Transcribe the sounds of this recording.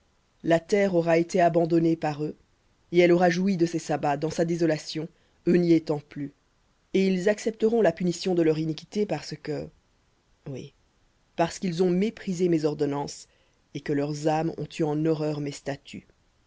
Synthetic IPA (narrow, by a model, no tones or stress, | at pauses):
lat̪ɛʁɔʁaet̪eabɑ̃d̪ɔnepaʁø | eɛlɔʁaʒuid̪əsesabad̪ɑ̃sad̪ezɔlasjɔ̃ | øniet̪ɑ̃ply | eilzaksɛp̚t̪əʁɔ̃lapynisjɔ̃d̪əlœʁinikʲi̥t̪epaʁsəkə | wḭ | paʁsə̥kʲilzɔ̃mepχizemezɔʁd̪ɔnɑ̃s | ekəlœʁzamɔ̰̃t̪ʰyɑ̃nɔʁœːʁmest̪at̪ʰy̰